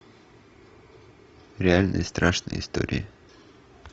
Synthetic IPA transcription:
ɾɛɛlnʔə̰st̪ɾɑʃnə̰hɪst̪ṵːɾɪ̰ə

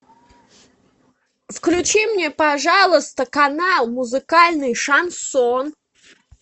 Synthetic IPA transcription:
fklʲʉt͡ɕimnʲepɐʐalˠəst̪əkɐnalˠmʊzɨkalʲnɨjʂɐnson

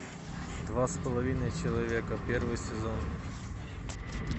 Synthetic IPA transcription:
d̪vaspəlˠɐvʲinəjt͡ɕɪlˠɐvʲekəpʲervɨjsʲɪzon

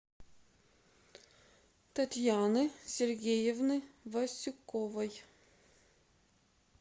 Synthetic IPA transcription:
t̪ɐt̪ʲjanɨsʲerɡʲejɛvnɨvɐsʲʊkːɔvɐj

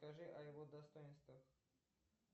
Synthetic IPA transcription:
kɐʐɨʔɐjɪvod̪ɐst̪ojɪnst̪vəx

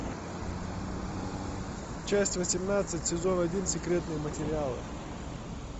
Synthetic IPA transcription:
t͡ɕæsʲtʲvəsʲɪmnat̪sɨtʲsʲɪzo̞nɐdʲinsʲɪkɾʲet̪nɨjəmətʲɪɾʲɪalˠɨ̰

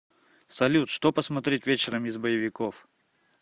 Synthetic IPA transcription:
sɐlʲut̪ʂt̪opəsmɐt̪ɾʲetʲvʲet͡ɕɪɾəmɪzbəjɪvʲɪkof

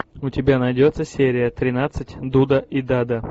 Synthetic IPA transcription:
ʊtʲɪbʲanɐjdʲot̪səsʲeɾʲɪjət̪ɾʲɪnat̪sɨtʲd̪ud̪əʔid̪ad̪ə

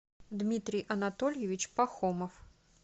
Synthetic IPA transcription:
d̪mʲit̪ɾʲɨjʔɐnat̪ɔlʲjevʲit͡ɕpaxɔmɐf

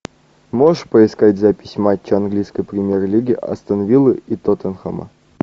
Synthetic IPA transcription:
moʂpəɪskatʲzapʲɪsʲmat͡ɕːəanɡlʲijskəjpɾʲɪmʲjerlʲiɡʲɪʔɐ̰st̪ənɐvʲilˠɨit̪ot̪ənxə̰mə̰

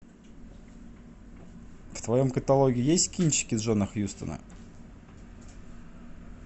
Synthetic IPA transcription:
kt̪vɐjo̞mkət̪alˠoɡʲɪʊjesʲtʲkʲinʲt͡ɕːɪ̥kʲɪzʐonəxjust̪ə̰nə̰

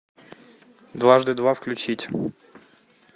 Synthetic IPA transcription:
d̪vaʐd̪ɨd̪vafklʲʉt͡ɕitʲ

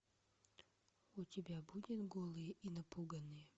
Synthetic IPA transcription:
ʊtʲɪbʲabudʲɪt̪ɡolˠɨjʔinɐpuɡɐnːɨjə

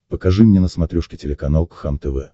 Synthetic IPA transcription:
pəkɐʐɨmnʲenəsmɐt̪ɾʲuʂkʲɪtʲɪlʲɪkɐnalˠkxamt̪ɛvɛ

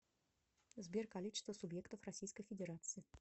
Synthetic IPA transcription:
zbʲerkalʲit͡ɕɪ̥st̪vəsʊbjɛkt̪əfrɐsʲijskəjfʲɪdʲɪɾat̪sɨɪ

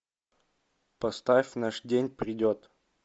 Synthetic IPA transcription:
pɐst̪afʲnaʂdʲenʲpɾʲɪdʲot̪

